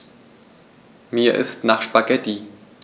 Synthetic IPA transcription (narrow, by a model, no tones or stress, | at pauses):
miːɐʔɪ̰stnaːχʃpaɡɛti